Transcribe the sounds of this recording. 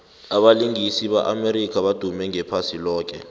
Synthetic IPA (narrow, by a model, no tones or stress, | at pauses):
aɓaliŋisiɓa̰ʔameɾik̬ʰʼaɓad̥ʱumɛŋɛpʰasilɔːk̬ɛ̰